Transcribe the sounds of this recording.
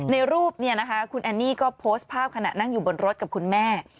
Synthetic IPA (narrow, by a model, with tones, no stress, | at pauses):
na˧jɾuː˥˩p̚ni˥˩ɐna˦˥kʰa˦˥kʰu˧nʔa˧nːiː˥˩kɔː˥˩pʰoː˦˥st̪̚pʰaː˥˩p̚kʰa˧na̰˨˩ʔna˥˩ŋjuː˨˩bo˧nɾo˦˥t̪̚ka˨˩p̚kʰu˧nmɛː˥˩